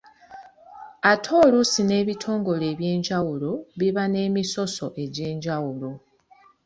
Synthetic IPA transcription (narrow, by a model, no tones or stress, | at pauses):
atʰo̞ːlusine̞ːβitʰo̞ːŋɡo̞le̞ːβje̞ːɲɟawuloβiβane̞ːmiso̞so̞ʔe̞ɟe̞ːɲɟawulo̞